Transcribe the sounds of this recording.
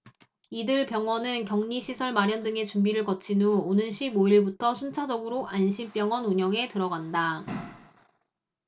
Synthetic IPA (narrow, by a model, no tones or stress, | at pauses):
idɯɭpjʌŋwʌnɯnkjʌŋɲiɕʰisʰʌɭmaɾjʌndɯŋe̞t͡ɕumbiɾɯɭkʌt͡ɕʰinuonɯnɕʰiboiɭbutʰʌsʰunt͡ɕʰad͡ʑʌɡɯɾoʔanɕʰimp͈jʌŋwʌnuɲʌŋe̞tɯɾʌɡanda